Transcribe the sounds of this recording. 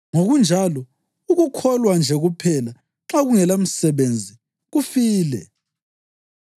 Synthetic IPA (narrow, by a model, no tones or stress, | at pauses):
ŋoɣund͡ʒʱalɔ | uɣukʰɔlwand͡ʒʱɛɣupʰɛla | ǁaɣuŋɛlam̩sɛβend͡zʱi | ɣufiːlɛ̰